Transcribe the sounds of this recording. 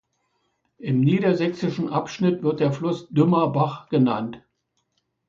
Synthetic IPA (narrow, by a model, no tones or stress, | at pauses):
ʔɪmniːɾɐzɛksɪʃn̩ʔapʃnɪtv̥ɪɐt̚d̥eːɐflʊsd̥ʏmɐbaχɡ̥ənant